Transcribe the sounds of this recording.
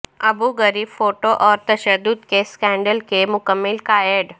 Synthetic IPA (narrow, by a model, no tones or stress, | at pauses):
ɐbuːɡɐɾiːbfoːʈoʔɔːɾt̪ɐʃəd̪ːʊd̪keskɛ̃ːɳɖəlkemʊkəmːɪlkaːjeɖ